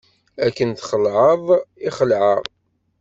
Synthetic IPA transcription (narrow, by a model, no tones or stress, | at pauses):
ækːənθχəlʕəðˤiχəlʕə̰ʁˤ